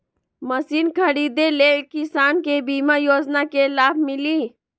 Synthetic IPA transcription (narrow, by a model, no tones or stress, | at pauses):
məsiːnkʰəɾiːd̪eleːkɪsaːnkebiːmajoːd͡ʒnakelaːb̚ʱmɪliː